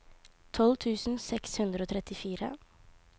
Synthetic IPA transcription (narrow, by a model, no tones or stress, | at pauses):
t̪ʰɔlt̪ʰʉːsn̩sɛkshʉnd̪ɾəoːt̪ʰɾɛt̪ɪfiːɾə̰